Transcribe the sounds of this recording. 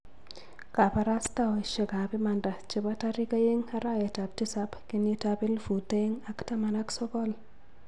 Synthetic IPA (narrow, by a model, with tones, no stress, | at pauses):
ka˨pa˦ɾa˦sta˦˨ʃe˨ka˨pi˦ma˨nda˨t͡ʃɪ˦ba˦ta˦ɾi˦ka˦je˦ŋa˦ɾa˦je˨ta˨p̚ti˦sa˦pkɪ˦ni˦tabɪ˦lfu˨ta˦je˦ŋa˦kta˦ma˨na˦ksɔ˦kɔ˦l